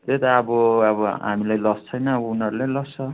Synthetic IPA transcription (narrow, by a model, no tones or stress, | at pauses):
t̪et̪aːbʌʌbʌɦa̰milajlʌst͡sʰʌjnʌːbʌunʌɾulelʌst͡sʰʌ